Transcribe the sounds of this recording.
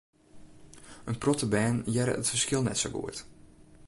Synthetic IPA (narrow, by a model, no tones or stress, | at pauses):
ʔənprɔtəbɛːnjɛɾə̰ʔətfərskɪlˠnɛ̰tsowɡṵət